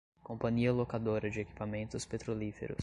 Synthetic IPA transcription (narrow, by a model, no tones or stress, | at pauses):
kõpɐ̃ɲiɐlokad̪oɾɐd͡ʒɪeki̥pamẽnt̪ʊspet̪ɾolifḛɾʊ̰s